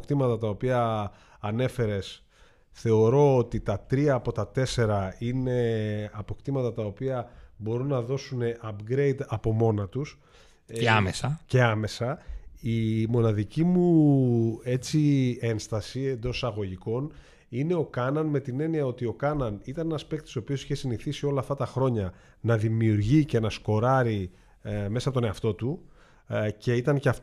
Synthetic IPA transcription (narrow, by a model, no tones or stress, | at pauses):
kt̪imɐt̪ɐt̪ɐo̞piɐ | ɐne̞fe̞ɾe̞s | θe̞o̞ɾo̞ot̪it̪ɐt̪ɾiɐːpo̞t̪ɐt̪e̞se̞ɾɐine̞ɐpo̞kt̪imɐt̪ɐt̪ɐo̞piɐbo̞ɾunːɐðo̞sune̞ʔɐpɡɾe̞jd̪ɐpo̞mo̞nɐt̪us | eamesɐce̞ɐme̞sɐimo̞nɐðicimu | e̞t͡sie̞nst̪ɐsie̞nd̪o̞sɐɣo̞ʝiko̞n | ine̞o̞kɐnɐnme̞t̪ine̞niɐo̞t̪io̞kɐnɐnit̪ɐne̞nɐspek̚t̪sopio̞siçe̞siniθisio̞lɐːft̪ɐt̪ɐxɾo̞ɲɐ | nɐðimiuɾʝice̞nɐsko̞ɾɐɾi | mesɐpot̪o̞ne̞ɐft̪o̞t̪u | ce̞it̪ɐnceɐf